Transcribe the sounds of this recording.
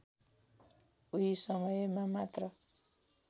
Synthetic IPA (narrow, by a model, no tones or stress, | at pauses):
uisʌmʌjmamat̪rʌ